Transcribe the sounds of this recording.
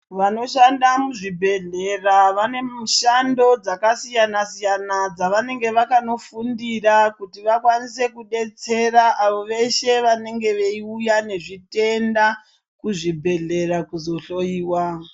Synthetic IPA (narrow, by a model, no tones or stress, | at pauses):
ʋano̞ʃandamuʐibʱe̞ɮe̞raʋane̞mʃando̞d͡zakasijanasijanad͡zaʋane̞ŋɡe̞ʋakano̞fundirakutiʋakwanis̬e̞kuɗe̞t͡se̞ɾaʔaʋo̞ʋe̞ʃe̞ʋane̞ŋɡe̞ʋe̞iujane̞ʐite̞nda | kuʐibʱe̞ɮe̞rakuzo̞ɬo̞iːwa